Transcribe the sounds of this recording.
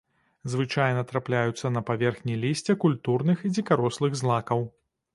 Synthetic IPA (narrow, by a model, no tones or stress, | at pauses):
zvɨt͡ʂajnɐt̪ɾaplʲajut̪sːɐnɐpavʲɛrxnʲijlʲisʲt͡sʲɛkulʲt̪urnɨxid͡zʲikaɾɔslˠɨɣzlˠakɐw